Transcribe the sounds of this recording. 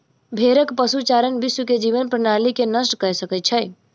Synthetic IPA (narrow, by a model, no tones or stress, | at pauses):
bʱeɾəkpəsut͡ʃaɾənbɪswəked͡ʒiʋənpɾəñalikenəsʈkəɾsəkət̪̚t͡ʃʰəj